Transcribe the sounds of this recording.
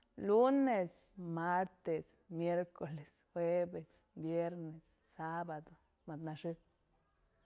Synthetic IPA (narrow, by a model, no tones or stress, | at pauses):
lunes | maɾt̪es | mjeɾkoles | xwebes | bjeɾnes | sabad̪o | mad̪naʃi